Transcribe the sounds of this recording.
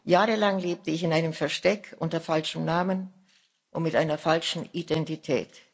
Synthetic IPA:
jaːʁəlaŋleːp̚təɪçɪnaɪnəmfɛɐʃtɛkʔʊ̰ntɐfalʃəm̩naːmən | ʔʊntmɪtʔaɪnɐfalʃn̩idɛntitʰɛ̰ːt

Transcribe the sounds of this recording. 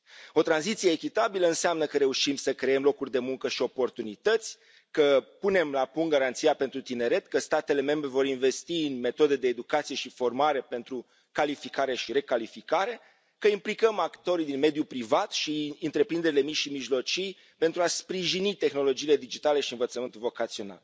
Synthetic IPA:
o̞t̪ɾanzit̪sije̞ːkʲit̪abiləɨnseamnəkəɾe̞uʃimsəkɾe̞emlo̞kurʲd̪e̞muŋkəʃio̞po̞rt̪unit̪ət̪sʲ | kəpune̞mlapuŋɡaɾant̪sijape̞nt̪ɾut̪ine̞ɾe̞t̪kəst̪at̪e̞le̞me̞mbɾe̞vo̞ɾinve̞st̪iɨnme̞t̪o̞d̪ed̪e̞ːd̪ukat̪sije̞ʃifo̞rmaɾe̞pe̞nt̪ɾu | kalifikaɾe̞ʃiɾe̞kalifikaɾe̞ | kəimplikəmakt̪o̞ɾid̪inme̞d̪jupɾivat̪ʃiɨnt̪ɾe̞pɾind̪e̞ɾile̞mit͡ʃʃimiʒlo̞t͡ʃij | pe̞nt̪ɾuaspɾiʒinit̪e̞xno̞lo̞d͡ʒiːle̞d̪id͡ʒit̪ale̞ʃiɨnvət̪səmɨnt̪ulvo̞kat̪sio̞na̰l

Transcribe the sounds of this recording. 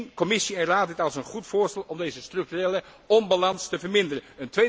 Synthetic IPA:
nkɔmɪsiɛnraːt̚dɪtɑlˠsənχutfʊːɹstɛlˠɔmdejzəstrɵk̚tyreːlə | ɔmbalɑnstəvəɹmɪndərənəntʋe

